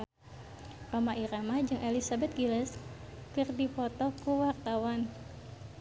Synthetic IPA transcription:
romaʔiɾamad͡ʒɨŋʔelisabɛt̪̚ɡilɛskɨrdipɔt̪ɔkuwart̪awan

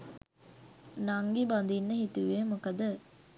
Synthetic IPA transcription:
naŋɡiband̪inːəɦit̪uʋemukɐd̪ə

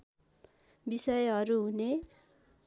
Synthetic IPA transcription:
bisʌjɦʌɾuɦune

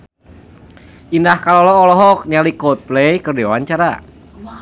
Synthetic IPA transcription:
ʔindahkalɔlɔːlɔɦɔk̚ɲalikɔt̪̚plejkərdiwaɲt͡ʃaɾa̰

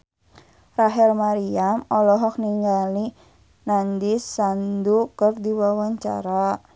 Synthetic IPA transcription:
raɦɛlmaɾiamɔlɔɦɔk̚niŋɡali | nandisandukərdiwawaɲt͡ʃa̰ɾa

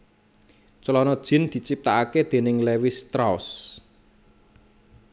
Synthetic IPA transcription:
t͡ʃəlɔnɔd̥ʒ̥ɪ̤nd̪̥i̤t͡ʃip̚t̪aaked̪̥e̤nɪŋlewɪst̪ɾaʊs

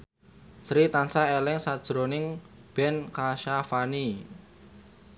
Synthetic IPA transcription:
sɾit̪ansaelɪŋsad̥ʒ̥ɾonɪŋ | b̥ɛnkaʃafani

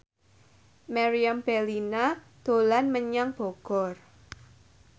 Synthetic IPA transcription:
maɾiamb̥ɛlina | d̪̥o̤lanməɲaŋb̥ɔ̤ɡ̥ɔ̤r

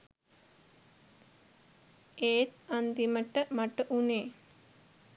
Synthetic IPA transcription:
eːt̪and̪iməʈːəmɐʈːəʔune

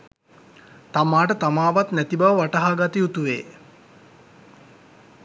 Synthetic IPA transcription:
t̪amaːʈət̪amaːʋat̪næt̪ibaʋəʋaʈaɦaːɡat̪iut̪uʋeː

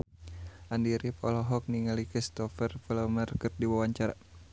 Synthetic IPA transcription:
ʔandiɾipɔ̰lɔɦɔk̚niŋalikist̪ɔfərpəlɔmərkɨrdiwawaɲt͡ʃaɾa̰

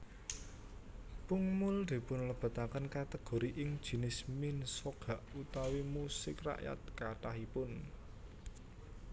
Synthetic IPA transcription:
puŋmʊld̪̥i̤pʊnləb̥ä̤t̪akənkat̪əɡ̥o̤ɾiʔɪŋd̥ʒ̥i̤nɪsminsoɡ̥a̤ʔut̪awimusɪkra̰ʔja̰t̪̚kaʈahipʊn

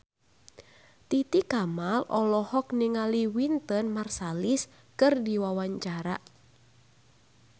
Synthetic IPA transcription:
t̪it̪ikamalɔlɔhɔkniŋaliwint̪ənmarsalis | kɨrdiwawaɲt͡ʃaɾa̰

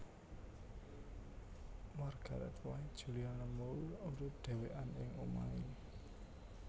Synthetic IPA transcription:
marɡ̥a̤ɾɛ̰t̪waid̥ʒ̥ṳlianəmouoɾud̪̥e̤weʔanɪŋuma̰i

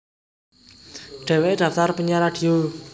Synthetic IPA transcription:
ɖ̥ɛ̤weʔd̪̥ä̤ft̪arpəɲaɾad̪̥io

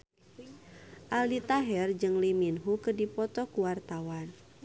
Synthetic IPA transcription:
ʔaldit̪aɦɛrd͡ʒɨŋliminɦukɨrdipɔt̪ɔkuwart̪awan

